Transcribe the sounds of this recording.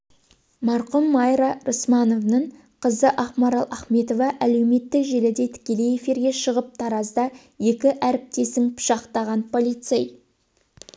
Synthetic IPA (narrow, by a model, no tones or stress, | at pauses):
mɑɾqʊmːɑjɾɑɾosmɑno̞vnəɴ | qʰəzəʔɑχmɑɾɑlˠɑχme̞t̪o̞vɑʔæle̞wme̞t̪ːɪkʒe̞lɪd̪e̞t̪ʰɪ̥kʲe̞le̞jefiɾɡʲe̞ʃəʁəp̚t̪ʰɑɾɑzd̪ɑ | je̞kʲɪʔæɾɪp̚t̪e̞sɪŋpʰʊ̥ʃɑqt̪ɑʁɑnpʰo̞lˠijt̪sej